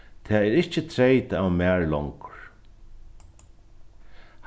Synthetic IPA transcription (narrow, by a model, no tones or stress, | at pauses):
t̪ʰɛːɛɾɪht͡ʃɪt̪ʰɾejt̪aawmæːɹlɔŋkʊ̥ɹ̥ | h